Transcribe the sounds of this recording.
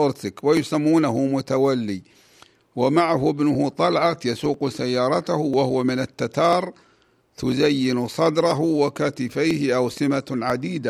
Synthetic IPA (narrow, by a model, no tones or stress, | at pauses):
ʔʊɾt̪ɪkwɪjʊsamːuːnaɦʊmʊt̪awalːi | wɪmaʕaɦʊɪbnʊhʊt̪ˤɑlʕat̪jasuːqsajːɑːɾˤɑt̪ahʊwahʊwamɪnat̪ːat̪ɑːɾˤ | t̪ʊzajːɪnsˤɑd̪ɾˤɑɦʊwɪkaːt̪ɪfajhɪʔawsɪmaʕad̪iːd̪a